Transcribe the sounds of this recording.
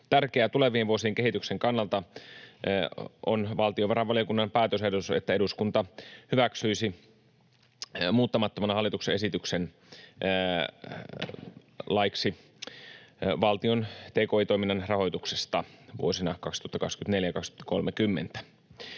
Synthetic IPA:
t̪ærkeæt̪ule̞ʋiːʋʋuosiːŋke̞ɦit̪ykseŋkɑnːɑlt̪ɑ | o̰nʋɑlt̪ioʋɑɾɑʋɑlijokunːɑmpæːt̪øs̬ehdot̪uset̪ːæe̞duskunt̪ɑhyʋæksyisi | muːt̪ːɑmɑt̪ːomɑnɑhɑlːit̪ukseesit̪yksen | lɑjksi | ʋɑlt̪io̞nt̪eːkoːit̪oiminːɑnrɑɦojt̪uksest̪ɑʋṵosinɑkɑkst̪u̥oɑt̪ːɑkɑ̰kskyt̪ne̞ljæjkɑkst̪u̥t̪ːko̞lmekymːḛnt̪æ̥

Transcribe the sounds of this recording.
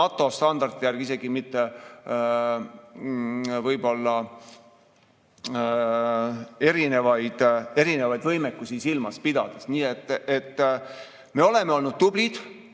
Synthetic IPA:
ɑt̪ːˑo̞st̪ɑnd̪̥ɑrd̪̥ijærɡ̥ise̞ɡ̥imit̪ːe̞ | vɤjbo̞lːɑ | e̞ɾine̞vɑjd̪̥e̞ɾine̞vɑjd̪vɤjmekːˑusisilmɑspid̪̥ɑ̰d̪̥esniːet̪ːˑet̪ː | me̞o̞le̞meo̞lnud̪̚t̪ublid̪̥

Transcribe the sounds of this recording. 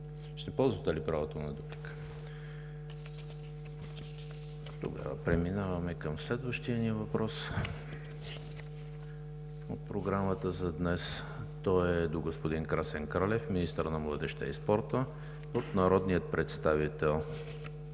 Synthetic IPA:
ʃt̪ɛpɔlˠzvət̪ɛlipɾavot̪onɐd̪uplik | t̪o̰ɡa̰və̰pɾɛminavɐmɛkəmslɛd̪vəʃt̪ijəniəvɐpɾɔs | o̰t̪̚pɾoɡɾamət̪əzɐd̪nɛs | t̪ɔɛd̪oɡospod̪inkɾasɛŋkɾalɛfminist̪əɾnɐmlˠəd̪ɛʃt̪ɛ̰ḭspɔɾt̪ə | ot̪nɐɾɔd̪nijət̪̚pɾʔɛt̪st̪avit̪ɛlˠ

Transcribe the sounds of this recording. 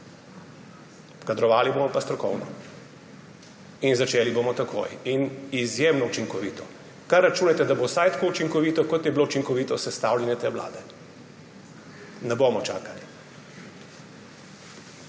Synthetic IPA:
kad̪ɾɔʋaːlibomɔpast̪ɾɔkɔ̰wnɔ̰ | inzat͡ʃeːlibomɔt̪akʰo̰jinizjemnɔut͡ʃiŋkɔʋiːt̪ɔ | karːat͡ʃuːnat̪ɛd̪abowsajt̪ḁkoːut͡ʃiŋkɔʋiːt̪ɔkɔt̪jɛbilout͡ʃiŋkɔʋiːt̪ɔsɛst̪aːwlʲɛnʲjɛt̪eːʋla̰ːd̪ɛ | nɛbomɔt͡ʃa̰ːkali

